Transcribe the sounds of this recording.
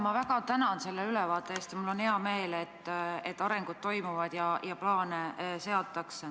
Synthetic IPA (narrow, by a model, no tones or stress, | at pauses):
mɑvæɡ̥ɑt̪ænɑnse̞lːelylevɑːt̪ːˑeeːst̪jɑmulːo̞nheɑme̞ːlet̪ːet̪ːˑɑɾe̞ŋɡ̥ud̪̥̚t̪o̞jmuvɑd̪̥jɑjɑplɑːnese̞ɑt̪ːˑɑkse